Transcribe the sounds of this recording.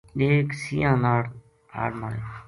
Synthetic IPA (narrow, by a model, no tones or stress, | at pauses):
eːksiːãːnaːɽ | a̰ːɽmaːe